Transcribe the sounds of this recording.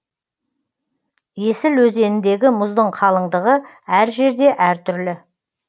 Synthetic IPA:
je̞sɪlwɵze̞nɪnd̪e̞ɡʲɪmʊzd̪əɴqʰɑlˠəɴd̪əʁə | æɾʒe̞ɾd̪e̞ʔæɾt̪ʰʏɾlɪ

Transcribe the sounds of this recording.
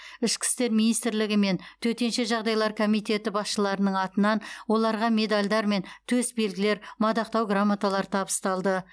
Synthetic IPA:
ɪʃkʲʰɪ̥st̪e̞ɾminijst̪ɪɾlɪɡʲɪme̞nt̪ʰɵt̪e̞nʃe̞ʒɑʁd̪ɑjlˠɑɾkʰo̞mijt̪e̞t̪ɪbɑsʃəlˠɑɾənəɴɑt̪ənɑnwo̞lˠɑɾʁɑme̞d̪alʲd̪ɑɾme̞nt̪ʰɵsbe̞lɡʲɪle̞ɾmɑd̪ɑq̚t̪ɑwɡramːat̪alˠɑɾt̪ʰɑbəst̪ɑlˠd̪ə

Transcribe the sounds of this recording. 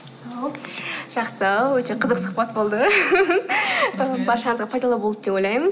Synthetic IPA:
ɑwʒ̥ɑqsəwɵt̪e̞qʰəzəqsʊ̥χpɑt̪bo̞lˠd̪ə | əbɑɾʃɑɴəzʁɑpʰɑjd̪ɑlˠəbod̪əd̪e̞pojlˠɑjməz

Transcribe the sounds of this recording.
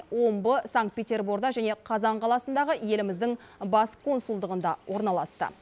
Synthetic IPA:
wo̞mbəsaŋkt̪pe̞tʲe̞rbuɾɡd̪ɑʒæne̞qʰɑzɑɴqʰɑlˠɑsənd̪ɑʁəje̞lɪmɪzd̪ɪŋbɑskʰo̞nsulˠd̪əʁənd̪ɑwʔo̞ɾnɑlˠɑst̪ə̰

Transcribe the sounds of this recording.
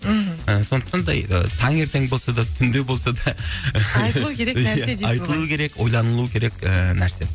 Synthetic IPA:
əso̞nd̪əq̚t̪ɑnd̪ɑ̰jə̰t̪ʰɑŋe̞ɾt̪e̞ŋbo̞lˠsɑd̪ɑt̪ʰʏnd̪e̞bo̞lˠsɑd̪ɑ | uejæɑjt̪əlˠuəkʲʰe̞ɾe̞kwo̞jlˠɑnəlˠuəkʲʰe̞ɾe̞kənæɾse̞

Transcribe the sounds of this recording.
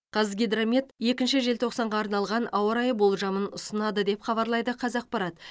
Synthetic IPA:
qʰɑzɡʲed̪ɾamʲet̪je̞kʲɪnʃɪʒe̞lt̪ʰo̞qsɑɴʁɑːɾnɑlˠʁɑnɑwəɾɑjəbo̞lˠʒɑmənʊsənɑd̪əd̪e̞pχɑβɑɾlˠɑjd̪əqʰɑzɑq̚pɑɾɑt̪

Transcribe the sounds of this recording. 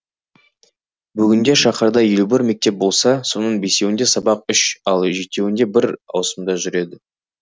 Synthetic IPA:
bʏɡʲɪnd̪e̞ʃɑχəɾd̪ɑjelubɪɾme̞k̚t̪e̞p̚bo̞lˠsɑso̞nəɴbe̞se̞wɪnd̪e̞sɑbɑq̚ʏʃɑlˠʒe̞t̪ːe̞wɪnd̪e̞bɪɾɑ̰wsəmd̪ɑʒʏɾe̞d̪ɪ

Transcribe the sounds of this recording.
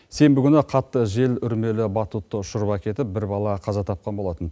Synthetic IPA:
se̞mbɪkʲʏnɪqʰɑt̪ːəʒe̞lʏɾme̞lɪbɑt̪ut̪ːəʃʊɾbɑkʲʰe̞t̪ɪp̚bɪɾbɑlˠɑqʰɑzɑt̪ʰɑp̚qɑnbo̞lˠɑt̪ən

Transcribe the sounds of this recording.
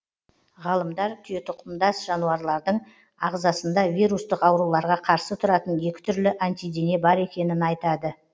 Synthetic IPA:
ʁɑlˠəmd̪ɑɾt̪ʲʰʏje̞t̪ʰʊqʰəmd̪ɑsʒ̥ɑnuɑɾlˠɑɾd̪əɴ | ɑʁzɑsənd̪ɑvʲijɾust̪əqɑwɾulˠɑɾʁɑqʰɑɾsət̪ʰʊɾɑt̪ənje̞kʲɪ̥t̪ʰʏɾlɪʔant̪ijd̪ene̞bɑɾe̞kʲe̞nɪnɑjt̪ɑd̪ə

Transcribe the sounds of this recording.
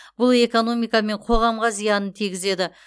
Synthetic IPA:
b̥ʊlˠe̞ko̞no̞mijkɑme̞ɴqʰo̞ʁɑmʁɑzijɑnənt̪ʰiɡʲɪze̞d̪ɪ

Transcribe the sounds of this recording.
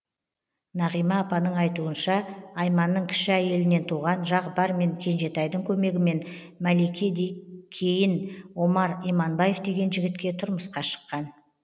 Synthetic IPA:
nɑʁijmɑːpɑnəɴɑjt̪uənʃɑːjmɑnːəɴkʲʰɪ̥ʃɪæje̞lɪne̞nt̪ʰuʁɑnʒɑqbɑɾme̞ŋkʲʰe̞nʒe̞t̪ɑjd̪əŋkʲʰɵme̞ɡʲɪme̞n | mælekʲed̪kʲʰejɪnwo̞mɑɾimɑnbɑje̞fd̪e̞ɡʲe̞nʒɪɡʲɪt̪kʲe̞t̪ʰʊɾməsqɑʃə̥qːɑn

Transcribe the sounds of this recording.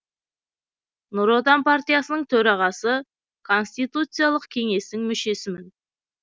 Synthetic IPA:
nuɾot̪anpʰaɾt̪ijasənəɴt̪ʰɵɾɑʁɑsə | kʰo̞nst̪ijt̪ut̪sɨjalˠəqkʲʰe̞ŋe̞st̪ɪŋmʏʃe̞sɪmɪn

